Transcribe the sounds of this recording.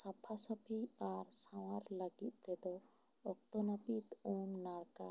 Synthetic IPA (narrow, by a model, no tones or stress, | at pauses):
sapʰasəpʰiaɾsaw̃aɾləɡit̪̚ˀt̪ɛd̪ɔ | ɔk̚t̪ɔnapit̪umnaɽka̰